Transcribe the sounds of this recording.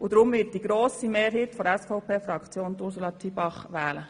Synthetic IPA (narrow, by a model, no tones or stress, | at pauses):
ʊd̪ɾʊmʋɪt̚d̥iɡɾoːsimeːɾɦiːtfɔɾɛsfɔʊpʰeːfɾɑkt͡sjoːntʊɾsulɑtʰibɑχʋɛːlə